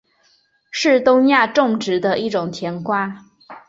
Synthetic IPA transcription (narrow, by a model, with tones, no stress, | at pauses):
ʂɻ̩˥˩t̪ʊ˥ŋja˥˧ʈ͡ʂʊ˥˩ŋʈ͡ʂɻ̩˧˥d̪ə˧ʔi˥˩ʈ͡ʂʊ˨˩ŋt̪ʰjɛ˧˥nkwa˥